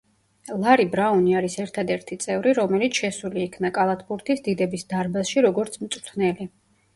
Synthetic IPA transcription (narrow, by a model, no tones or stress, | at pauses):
lˠaɾibɾauniaɾisɛɾt̪ʰad̪ɛɾt̪ʰit̪sʼɛvɾiɾɔmɛlit̪sʰʃɛsuliːkʰnakʼalˠat̪ʰpuɾt̪ʰisd̪id̪ɛbisd̪aɾbasʃiɾɔɡɔɾt̪sʰmt̪sʼt̪ʰnɛli